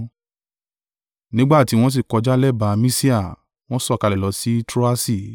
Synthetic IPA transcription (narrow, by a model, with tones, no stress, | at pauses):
nĩ˦ɡ͡ba˦˨ti˨˦w̃ɔ̃˦s̬i˦˨kɔ˨˧d͡ʒa˦lɛ˦˨ba˧mĩ˦si˦a˦˨ | w̃ɔ̃˦sɔ˦˨ka˧lɛ˨lɔ˨˦si˦tɾo˦a˦si˦˨